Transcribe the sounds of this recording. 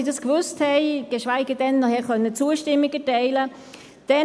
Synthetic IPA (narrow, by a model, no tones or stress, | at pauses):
idɑskvʏsthɛɪɡ̥eʃvaɪɡədɛnnɔhɛːχœnːət͡suəʃtɪmːɪɡətɛɪlə | d̥ɛ